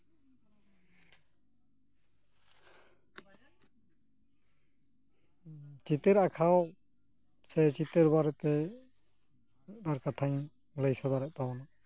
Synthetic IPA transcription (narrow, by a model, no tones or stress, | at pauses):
t͡ʃit̪eɾakʰaw | sɛt͡ʃit̪ɛɾbaɾɛt̪ɛ | d̪aɾkat̪ʰaɲ | ləjsad̪aɾɛʔ̚t̪awɔna